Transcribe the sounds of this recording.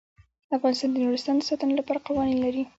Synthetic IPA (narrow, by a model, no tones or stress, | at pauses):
d̪əafɣɑnɪst̪ɑnd̪ənuɾɪst̪ɑnd̪əsɑt̪ənolapɑɾaqawɑninlaɾi